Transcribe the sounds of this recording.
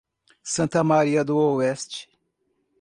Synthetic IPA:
sɐ̃nt̪ɐmaɾiɐd̪ʊoɛst͡ʃɪ̥

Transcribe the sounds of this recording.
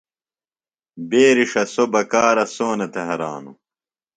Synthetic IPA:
beːɾiʂɐsobɐkaːɾɐsoːnɐt̪eɦɐɾa̰ːnṵ

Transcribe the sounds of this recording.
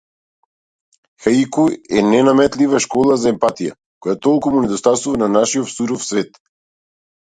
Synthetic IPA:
xaikuɛnɛnamɛt̪livaʃkɔlˠazaɛmpat̪ija̰ | kɔjat̪ɔlˠkumunɛd̪ɔst̪asuvananaʃiɔt̪suɾɔfsvɛt̪

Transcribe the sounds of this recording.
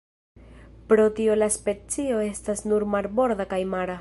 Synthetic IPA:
pɾo̞tio̞laspe̞t͡sio̞e̞stasnuɾmaɾbo̞ɾd̪akajmaɾa

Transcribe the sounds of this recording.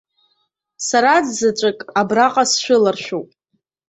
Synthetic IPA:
saɾad͡zzat͡ʃʷʼakʼabraqʼasʃᶣʷʊlarʃᶣowpʼ

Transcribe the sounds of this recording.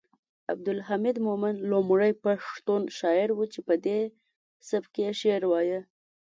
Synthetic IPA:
a̰b̚d̪ʊlɦamɪd̪momanlomɽəjpaʂt̪onʃɑɪɾwut͡ʃepəd̪e | sabkejeʃeɾwɑjə

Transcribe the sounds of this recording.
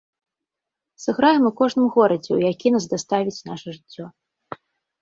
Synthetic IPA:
sɨɣɾajɛmukɔʐnɨmɣɔɾɐd͡zʲɛwjakʲinasd̪ast̪avʲit͡sʲnaʂɐʐɨt͡sʲːɔ

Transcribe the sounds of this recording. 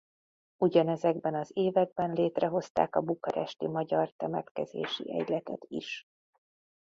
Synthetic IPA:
uɟɒnɛzɛɡbɛnɒzeːvɛɡ̚bɛnleːt̪rɛɦo̞st̪a̰ːkɒbukɒɾɛ̰ʃt̪imɒɟɒrt̪ɛmɛt̪kɛzḛːʃḭʔɛ̰ɟlɛt̪ɛt̪ḭʃ

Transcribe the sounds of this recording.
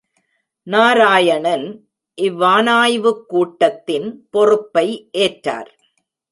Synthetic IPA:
naːɾaːjɐɳɐn | ʔɪʋːaːnaːjʋɯkːuːʈːɐt̪ːɪnpɔrɯpːɐɪʔeːʈɾa̰ːɾ

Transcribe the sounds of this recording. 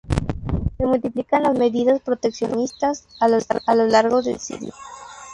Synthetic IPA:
se̞mult̪iplikanlazme̞ðiðaspɾo̞t̪eksjo̞̰nist̪asalo̞laɾɣoðe̞̰lsḭðjo̰

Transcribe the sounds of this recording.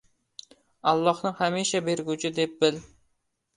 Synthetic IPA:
ɑlˠːɒhnɪhamiʃabeɾɡʲut͡ʃʰɪd̪ep̚bɪl

